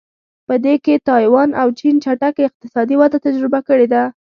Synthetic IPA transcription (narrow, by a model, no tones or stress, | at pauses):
pəd̪eket̪ɑjwɑnʔawt͡ʃint͡ʃaʈakɪq̚t̪ɪsɑd̪iwad̪at̪ad͡ʒɾɪbakəɽed̪a